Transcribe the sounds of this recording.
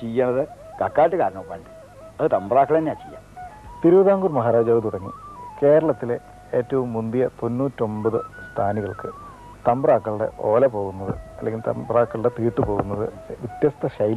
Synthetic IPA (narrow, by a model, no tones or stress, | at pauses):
t͡ɕejːɐɳɐðɨ | kɐkːaːʈːɨkaːɾɐɳɐmpːaːɳɖɨ | ɐðɨt̪ɐmbɐraːkːɐɭɐɐnːeaːt͡ɕejːa̰ːt̪iɾuʋɐðaːŋɡurmɐɦaːɾaːd͡ʑaːʋɨt̪uɽɐŋːḭke̞ːɾɐɭɐt̪ːile | eːtːɐʋumːund̪ijɐt̪o̞nːuːtːo̞mbɐðɨst̪ʰaːniɣɐɭkɨ | t̪ɐmbɐraːkːɐɭɽe̞̰ʔo̞̰ːlɐpo̞ːɣunːɐðɨ̰ɐlːeŋɡilt̪ɐ̰mbraːkːɐɭɽe̞t̪iːʈːɨpo̞ːɣunːɐðɨ | ʋit̪jɐst̪ʰɐɕɐj